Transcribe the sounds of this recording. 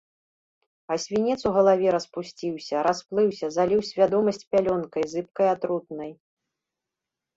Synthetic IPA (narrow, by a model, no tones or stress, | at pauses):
ɐsʲvʲinʲɛt̪suɣɐlˠavʲɛɾɐspusʲt͡sʲiwsʲɐɾasplˠɨwsʲɐzalʲiwsʲvʲad̪ɔmɐsʲt͡sʲpʲalʲɔnkɐjzɨp̚kɐjat̪ɾut̪nɐj